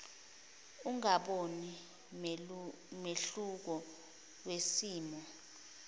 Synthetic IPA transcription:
uŋaɓoni | meɬuk̬ɔ | wesiːmɔ

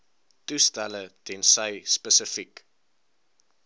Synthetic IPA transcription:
tustælətɛnsəjspəsəfik

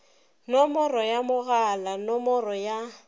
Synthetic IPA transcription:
nɔmɔrɔjamʊɣalanɔmɔrɔja

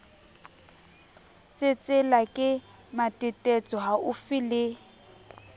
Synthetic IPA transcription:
t͡sʼɪt͡sʼɪlakʼɪ | matʼɪtʼɛt͡sʼɔɦaʊfɪlɪ

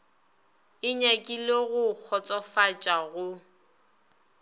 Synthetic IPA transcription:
ɪɲakʼileɣʊk͡xʰɔt͡sʼɔfat͡ʃʼaɣʊ

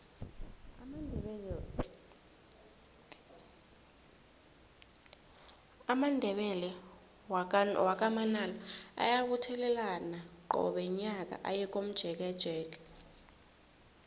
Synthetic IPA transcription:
amandʱɛɓɛlɛ | wak̬ʼamanalaa̰jaɓutʰɛlɛlanaǃɔ̰ɓɛiɲak̬ʼa̰ʔajɛk̬ʼom̩d̥ʒ̥ʱɛk̬ɛd̥ʒ̥ʱɛːk̬ʼɛ̥

